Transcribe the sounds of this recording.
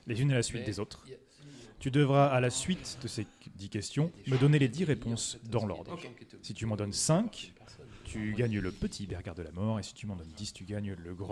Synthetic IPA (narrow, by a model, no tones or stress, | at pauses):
lezynelasɥit̪̚d̪ezot̪χ | t̪yd̪əvʁaːlasɥit̪d̪əse | d̪ikʲɛst̪jɔ̃məd̪ɔneled̪iʁepɔ̃sd̪ɑ̃lɔ̰ʁd̪ʁəsit̪ymɑ̃d̪ɔnsɛ̃kʲ | t̪ʰyɡaɲləpət̪ʰibɛʁɡʲaʁd̪əlamɔʁesi̥t̪ymɑ̃d̪ɔnd̪ist̪yɡaɲləɡʁ̃